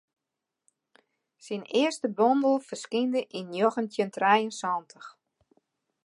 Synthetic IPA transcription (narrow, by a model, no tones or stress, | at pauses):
sinɪəstəbɔndəlˠfəskindəʔinjoɣəntjəntrɛjənsɔntʰəx